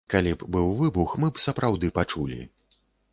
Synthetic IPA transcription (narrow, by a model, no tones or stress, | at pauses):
kalʲibbɨwvɨbuxmɨpsɐpɾʔawd̪ɨpat͡ʂulʲḭ